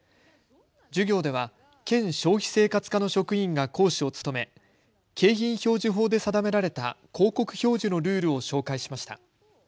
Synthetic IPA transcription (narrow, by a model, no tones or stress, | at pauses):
d͡ʑɨɡʲo̞ːd̪e̞βa | kẽ̞ɰ̃ɕo̞ːçʲi̥se̞ːkat͡sɨ̥kano̞ɕo̞kɯ̟ĩŋɡako̞ːɕio̞t͡sɨ̥t̪o̞me̞ | ke̞ːçĩɰ̃ço̞ːʑiɦo̞ːd̪e̞sad̪ame̞ɾaɾe̞t̪akʰo̞ːko̞kɯ̟̥çʲo̞ːʑino̞ɾɯ̟ːɾɯ̟o̞ɕo̞ːkaiɕi̥maɕi̥t̪a̰